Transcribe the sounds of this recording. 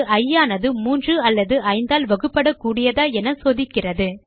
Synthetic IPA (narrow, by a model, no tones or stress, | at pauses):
ʔɐjːaːnɐðɯmuːndrɯɐlːɐðɯʔɐɪnd̪aːlʋɐɣɯpːɐɽɐkːuːɽɪjɐðaːɛnɐsoːðɪkːɪrɐðɯ